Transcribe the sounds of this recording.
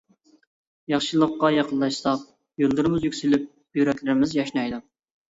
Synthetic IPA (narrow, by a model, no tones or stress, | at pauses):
jɑχʃilˠəqːɑjɑqənllˠɑʃsɑq | jolˠd̪ɨɾɨmɪzjykʲsylyp̚ | jyɾɛkʲlɪɾɪmɪzjɑʃnɑjd̪u